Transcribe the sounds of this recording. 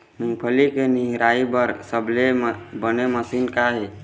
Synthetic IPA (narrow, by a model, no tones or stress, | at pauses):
mũːpʰəlikeniɦɾaːibəɾsəblebəneməsiːnkaɦeː